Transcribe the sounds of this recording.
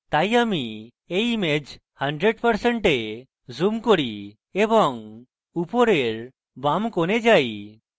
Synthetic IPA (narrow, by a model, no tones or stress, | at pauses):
t̪ajami | ejmed͡ʑ | həɳɖɾeɖpəɾsəɳʈe | zumkɔɽi | ebɔŋ | upɔɾeɾ | bamkɔned͡ʒaj